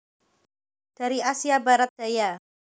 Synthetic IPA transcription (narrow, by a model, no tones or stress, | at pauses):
d̥a̤ɾiasiabaɾat̪̚d̥aja